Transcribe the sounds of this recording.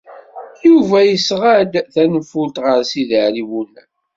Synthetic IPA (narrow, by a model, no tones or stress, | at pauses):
juvæjəsʁæd̪θænəfult̪ʁəɾsiðəʕɾiwunæ̰